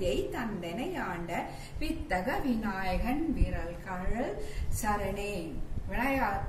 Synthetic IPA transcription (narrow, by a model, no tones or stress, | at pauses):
jɐɪt̪ɐnd̪ɛnɐjaːɳɖɐ | ʋɪt̪ːɐɣɐʋɪnaːjɐɣɐnʋiːɾɐlkɐɻɐsɐɾɐneːʋɪɳɐjaː